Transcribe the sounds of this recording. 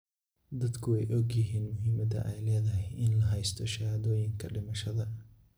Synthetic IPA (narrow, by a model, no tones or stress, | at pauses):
d̪ɐd̪kʰʊwɛjʔɔɡjɪɦiːnmʊɦiːmɐd̪ɐ̰ʔɛjlɛːðɐɦɛjɪnlɐɦɛjst̪ʰɔʃɐhɐðɔːjɪŋkʰɐɖɪmɐʃɐðɐ